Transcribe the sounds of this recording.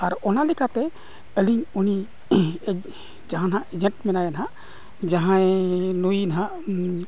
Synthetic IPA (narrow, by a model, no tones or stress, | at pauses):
aɾɔnalikʰat̪ɛ | əliŋuni | d͡ʒaɦãnɦãʔed͡ʒẽɳʈmɛnajanɦa | d͡ʒaɦãenujnɦã